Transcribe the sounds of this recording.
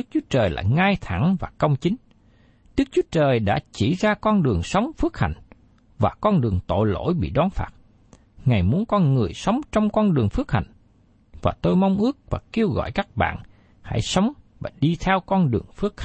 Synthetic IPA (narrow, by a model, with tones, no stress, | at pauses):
ɨ˦˥k̚t͡ɕu˨˦ət͡ɕəː˨˩jla̰ː˧˨jŋaː˧jt̪ʰa˧˩ŋvaː˨˩kə˧wŋ͡mt͡ɕï˨˦ŋ̟ | ɗɨ˦˥k̚t͡ɕu˨˦ət͡ɕəː˨˩jɗa̰ː˧˥t͡ɕi˧˩zaː˧kɔ˧nɗɨ˨˩əŋsə˨˦wŋ͡mfɨ˦˥ək̚ha̰˧˨jŋ̟ | vaː˨˩kɔ˧nɗɨ˨˩əŋt̪o̰˧˨jlo̰˧˥jɓḭ˧˨ɗɔ˨˦nfaː˦˥t̚ | ŋa˨˩jmu˨˦ənkɔ˧nŋɨ˨˩əjsə˨˦wŋ͡mt͡ɕɔ˧wŋ͡mkɔ˧nɗɨ˨˩əŋfɨ˦˥ək̚ha̰˧˨˩jŋ̟ | vaː˨˩t̪o˧jmɔ˧wŋ͡mʔɨ˦˥ək̚vaː˨˩ke˧əwɣɔ̰˧˨jkaː˦˥k̚ɓa̰ː˧˨n | ha̰˧˥˩jsə˨˦wŋ͡mvaː˨˩ɗi˧t̪ʰɛ˧wkɔ˧nɗɨ˨˩əŋfɨ˦˥ək̚h